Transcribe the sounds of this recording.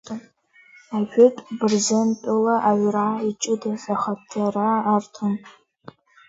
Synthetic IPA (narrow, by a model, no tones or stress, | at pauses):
aʒᶣʊtʼbɨrzɨntʼʊlaʔaɥʷrait͡ʃʼɨdazaχatʰːaraːrtʰɨm